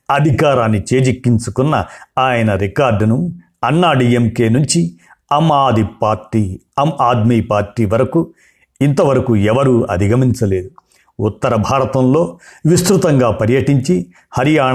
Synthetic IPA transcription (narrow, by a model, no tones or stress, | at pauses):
ɐd̪ʱikaːɾaːnːit͡ʃe̞ːd͡ʒikːiɲt͡ʃukunːɐ̰aːjɐnɐɾikaːɾɖnu | ɐnːaːɖiemke̞ːnuɲt͡ʃi | ɐmaːd̪ʱipaːɾʈːiː | ɐmaːd̪miːpaːɾʈiːʋɐɾɐku | int̪ɐʋɐɾɐkuɛʋɐɾuɐ̰d̪ʱiɡʱɐmiɲt͡ʃɐle̞ːd̪u | ut̪ːɐɾɐbʱaːɾɐt̪ɐmlo̞ːʋist̪ɾut̪ɐŋɡaːpɐɾjɐʈiɲt͡ʃi | hɐɾijaːɳ